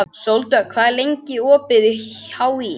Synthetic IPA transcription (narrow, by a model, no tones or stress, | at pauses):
sowlt̪akʰvaːðlejɲcɪɔːpɪðʏhawi